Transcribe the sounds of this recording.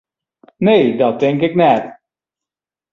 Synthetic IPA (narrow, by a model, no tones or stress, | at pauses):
nejdɑt̚dɛŋkɪknɛt